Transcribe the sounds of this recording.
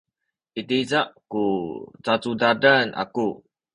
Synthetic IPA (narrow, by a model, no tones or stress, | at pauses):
it̪izaʔkut͡sat͡sudadana̰ku